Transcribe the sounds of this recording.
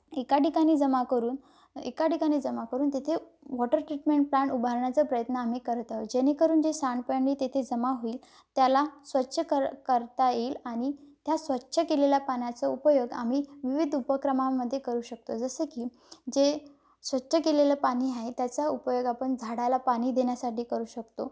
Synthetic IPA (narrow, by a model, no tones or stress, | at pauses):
ekaʈikaɽ̃iːd͡zəmakəɾuːn | ḛkaʈikaɽ̃iːd͡zəmakəɾuːnt̪et̪ʰe | ʋɔʈəɾʈ̪ɾiʈmeɳʈ̚plaɳʈubʱaɾɳjat͡səpɾəjət̪nəam̤iːkəɾt̪əd͡ʑeñekəɾuːnd͡ʑesaɳɖpəjɳɖiːt̪et̪ʰed͡zəmaɦoiːl | t̪jalasʋətːɕʰəkəɾkəɾt̪ajeːlaɽ̃it̪jasʋətːɕʰəkelelapaɳjat͡səupəjoɡa̰m̤iːʋiʋid̪ʱupəkɾəmãmːəd̪ʱːjekəɾuːɕək̚t̪od͡zəsekiː | d͡ʑe | sʋətːɕʰəkelelapaɽ̃iɦaɦet̪jat͡saupəjoɡapəɳd͡zʱaɽalapaɽ̃iːd̪ʱenjasaʈiːkəɾuːɕək̚t̪o